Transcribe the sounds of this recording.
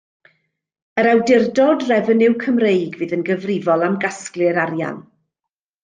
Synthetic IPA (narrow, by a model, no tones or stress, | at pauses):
əɾawdɪrdɔdrɛvənɪwkʰəmrejɡvɨːðənɡəvrɪvɔlˠamɡasklˠɨɾaɾja̰n